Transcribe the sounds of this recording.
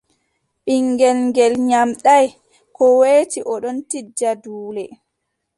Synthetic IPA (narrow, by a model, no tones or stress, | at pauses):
ɓiŋɡɛlŋɡɛlɲamɗaj | kɔweːtiʔɔɗɔntid͡ʒːaduːlɛ